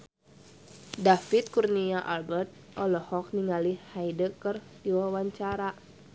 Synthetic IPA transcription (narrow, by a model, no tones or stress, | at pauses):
dafit̪̚kurniaʔalbərt̪̚ | ʔɔlɔhɔk̚niŋalihajdəkərt̪iwawaɲt͡ʃaɾa